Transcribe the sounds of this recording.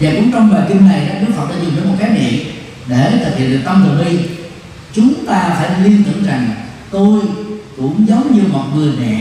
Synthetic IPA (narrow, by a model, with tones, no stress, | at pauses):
jaː˨˩kʊ̰˧˥ŋ͡mt͡ɕɔ˧wŋ͡mɓaː˨˩ki˧mna˨˩jɗa˨˦˥ɗu˦˥k̚fə˨˩t̪̚aː˧˩zʊ˨˩ŋ͡mɗəː˧˦mo˨˩t̚kaː˨˦jɗḭ˧˨əm | ɗe˧˩t̪ʰɨ˨˩ḭ˧˨nɗɨ˨˩k̚t̪ə˧mt̪ɨ˨˩ɓi˧ | t͡ɕʊ˨˦ŋ͡mt̪aː˧faː˧˩jli˧ənt̪ɨ̰˧˨ŋza˨˩ŋ | t̪o˧jkʊ̰˧˥ŋ͡mzə˨˦wŋ͡mɲɨ˧mo˨˩t̚vɨ˨˩ənɛ̰˨